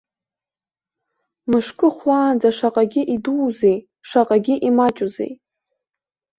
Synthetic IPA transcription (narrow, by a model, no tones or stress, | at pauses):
mɨʂkʼɨχʷlaːnd͡zaʂaqʼaɡʲɪʔiduːzej | ʂaqʼaɡʲɪʔimat͡ʃʼuzḛj